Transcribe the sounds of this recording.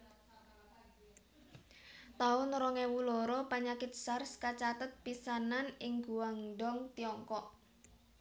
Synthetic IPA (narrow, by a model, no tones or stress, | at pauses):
t̪aʊnɾɔŋewulɔɾɔpaɲakɪt̪̚sarskat͡ʃat̪ət̪̚pisananɪŋɡuwaŋɖɔŋt̪iɔŋkɔʔ